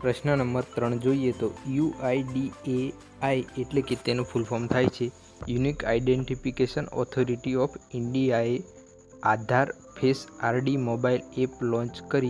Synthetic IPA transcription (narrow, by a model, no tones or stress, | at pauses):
pɾəʃnənəmbəɾt̪ɾəɳd͡ʒoijet̪ojuʔajɖie | ajeʈleket̪enofulfʰɔmt̪ʰajt͡ʃʰe | junika̰iɖeɳʈifikeʃənɔ̰t̪ʰoɾiʈiɔfiɳɖijae | ad̪ʱaɾ | pʰesaɾɖimobaileplɔ̃ɲt͡ʃkəɾi